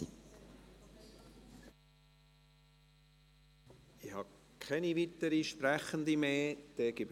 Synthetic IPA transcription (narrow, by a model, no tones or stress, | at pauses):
ɪhɑ | kʰχɛnivit̪əɾiʃpɾæχənd̪imeːd̥ɛːɡ̥ɪb